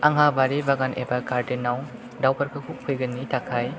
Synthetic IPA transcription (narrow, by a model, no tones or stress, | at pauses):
aŋɦabaɾibaɡanʔḛbakaɾdenːaw | dawpɐɾkʰɯkʰukʰːujɡɯnːitʰakʰaj